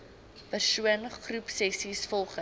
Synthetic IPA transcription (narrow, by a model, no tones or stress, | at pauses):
pərsuənχrupsɛsisfɔlˠχə